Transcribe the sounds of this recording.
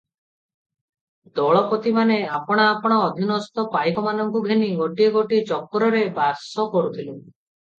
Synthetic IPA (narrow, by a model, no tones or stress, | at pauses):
d̪ɔɭɔpɔt̪imaneapɔɽ̃aːpɔɽ̃ɔːd̪ʱinɔst̪ɔpajkɔmanɔŋkuɡʱeniɡoʈieɡoʈit͡ʃɔkːɾɔɾebasɔkɔɾut̪ʰilu